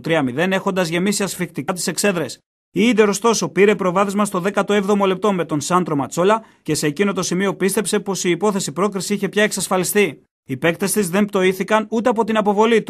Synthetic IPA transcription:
t̪ɾiɐmiðe̞ne̞xond̪ɐzʝe̞misiɐsfikt̪ikɐt̪̬i̥se̞kse̞ðɾe̞s | iind̪eɾo̞st̪o̞so̞piɾepɾo̞vɐθezmɐst̪o̞ðe̞kɐt̪o̞e̞vðo̞mo̞le̞p̚t̪o̞me̞t̪o̞nsɐnd̪ɾo̞mɐt͡so̞lɐ | ce̞se̞ːcino̞t̪o̞simio̞pist̪e̞pse̞po̞siːpo̞θe̞sipɾo̞kɾisiiçe̞pçɐe̞ksɐsfɐlist̪i | ipe̞kt̪est̪izðe̞mpt̪o̞iθikɐnut̪e̞ɐpo̞t̪inɐpo̞vo̞lit̪u

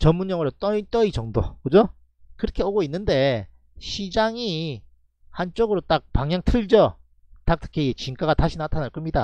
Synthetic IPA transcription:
t͡ɕʌmːunɲʌŋɯɾot͈ʌit͈ʌit͡ɕʌŋdo̰kɯd͡ʑo | kɯɾʌkʰe̞oɡoinːɯnde̞ | ɕʰid͡ʑaŋi | hant͡ɕ͈oɡɯɾot͈ak̚paŋjaŋtʰɯɭd͡ʑʌ | tak̚tʰɯ̥kʰeiet͡ɕink͈aɣataɕʰinatʰanaɭk͈ɯmɲida̰

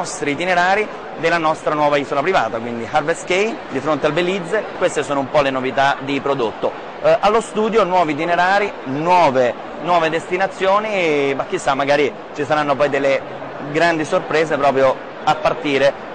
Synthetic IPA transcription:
ɔst̪ɾit̪ineɾaːɾi | d̪elanɔst̪ɾanwɔːvaiːzolapɾiva̰ːt̪akwind̪iharveskejd̪ifɾont̪ealbelːid̪zekwest̪esoːnoumpɔlenovit̪ad̪ipɾod̪ot̪ːo | alːost̪uːd̪jonwɔːvit̪ineɾaːɾi | nwɔːve | nwɔːved̪est̪inat̪sːjoːnimakːisːamːaɡaːɾi | t͡ʃisaɾanːopɔjd̪elːe | ɡɾand̪isorpɾɛːsepɾɔːpɾjo | apːart̪iːɾe

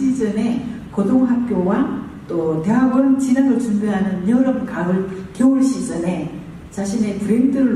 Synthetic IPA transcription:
id͡ʑʌne̞kodʰoŋɦak̚k͈jowa | t͈ote̞ɦaɡʌnt͡ɕinaɾot͡ɕuŋbjʌɦanɯnjʌɾʌmkaɡɯɭkeuɭɕ͈id͡ʑʌne̞ | t͡ɕaɕʰine̞puɾendɯɭ

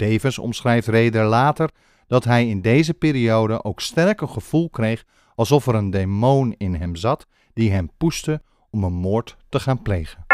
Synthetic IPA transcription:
d̥ejvənsɔ̰msχrɛjftrejdəɹlaːtəɹ | d̥ɑtɦɛjɪndejzəpɪːɾiowdəʔowkstɛɹkənχəv̥ulˠkrejχ | ɑlˠsɔfɛɾəndemownɪnɦɛmzɑt | d̥iɦɛmpustə | ɔmənmoːɹtː | əχaːnplejχən

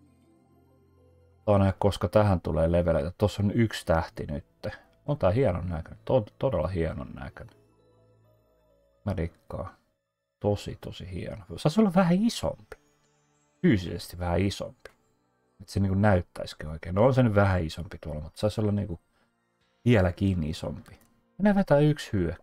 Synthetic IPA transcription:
ɑːnæhkkoskɑt̪æhænt̪uleːleʋelæ̰jɑt̪osːonykst̪æht̪inyt̪ːe | ont̪æːhiɑno̰nnækønyt̪ont̪odelːɑhiɑno̰nnæ̰køn | mærikːɑ̰ː | t̪osḭt̪o̰sihḭɑ̰nosɑisolːɑʋʋæhæiso̰mpi̥ | fyːsisḛst̪iʋʋæhæiso̰mpi̥ | et̪seniːŋkunnæyt̪ːæ̰iskioikeːnoonsenyʋʋæhæisompit̪uolːɑmut̪ːsɑisolːɑnnḭːŋku | ʋiælækiːnːiiso̰mpi | minæʋet̪æːykshyø

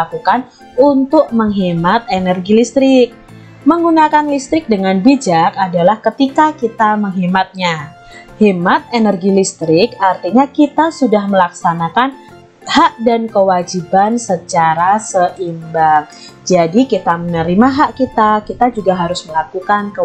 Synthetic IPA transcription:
akukan | unt̪ʊk̚məŋɦimat̪̚enərɡilist̪ɾɪk̚ | məŋɡunakanlist̪ɾɪk̚dəŋanbid͡ʒakadalahkət̪ikakit̪aməŋɦimat̪̚ɲa | himat̪̚enərɡilist̪ɾɪkart̪iɲakit̪asudahməlaksanakan | haʔdankəwad͡ʒibansət͡ʃaɾasəʔimbaŋ | d͡ʒadikit̪amənəɾimaɦaʔkit̪akit̪ad͡ʒuɡaɦaɾʊsməlakukankə

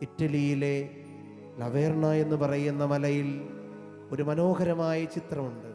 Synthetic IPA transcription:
iʈːɐlijile̞ | lɐʋeːrɳɐe̞nːupɐrɐjunːɐmɐlɐjil | o̞ɾumɐnoːɣɐɾɐmaːjɐt͡ɕit̪rɐmuɳɖɨ

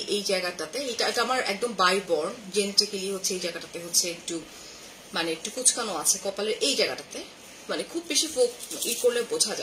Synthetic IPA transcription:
ʔejd͡ʑaeɡaʈat̪eeʈaeʈaamaɾɛ̰k̚d̪ombajbɔɾnd͡ʑentikiliɦotːɕʰeejd͡ʑajɡaʈat̪eɦotːɕʰeek̚ʈu | maneek̚ʈukut͡ɕʰkanoat͡ɕʰekɔpaleɾʔejd͡ʑaeɡaʈat̪e | manekʰubːeʃifokiʈkoɾlebod͡ʑʱad͡ʑa

